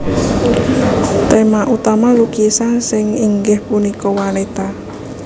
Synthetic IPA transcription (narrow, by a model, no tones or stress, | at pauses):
t̪emaʔut̪amalukisasɪŋiŋɡɪhpunikɔwanet̪a